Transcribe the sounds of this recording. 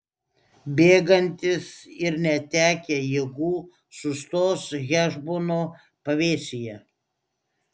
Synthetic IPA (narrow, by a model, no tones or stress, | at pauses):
bʲeːɡɐnʲt̪ʲɪsɪɾnʲɛt̪ʲæːkʲeːjeːɡuː | sʊst̪oːsɣʲæːʒboːnoː | pɐʋʲeːsʲɪjɛ